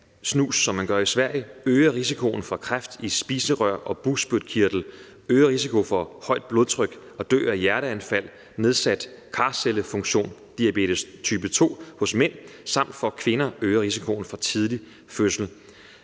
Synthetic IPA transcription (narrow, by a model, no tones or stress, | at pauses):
snṵːsːɒ̽mːænɡ̥ɶɐisʋæɐ̰jəøːɐʁisikʰo̝n̩fɑkʰʁafd̥isb̥iːsəʁɶɐ̰ʔɒ̽b̥usb̥yd̥kʰiɐ̰d̥l̩ | øːɐʁisikʰo̝fɒ̽hɒ̽ɪ̰d̥̚b̥lo̝ðˠt͡sʰʁœɡ̥ | ɒ̽d̥ø̰ːæjæɐɾəænfæl̰ | ne̝ð̞ˠsæd̥ | kʰɑ̈ːseləfɔ̽ŋɕo̝̰ːnd̥iæb̥e̝̰ːd̥əst͡sʰyːb̥ət͡sʰo̝̰ːhɔ̽smen̰sɑ̈m̰d̥fɒ̽kʰʋe̝nɐøːɐʁisikʰo̝n̩fɒ̽t͡sʰið̞ˠli | føsl̩